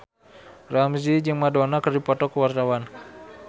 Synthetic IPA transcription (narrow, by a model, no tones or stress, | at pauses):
ramzid͡ʒɨŋmadɔnakərdipɔt̪ɔkəwart̪awan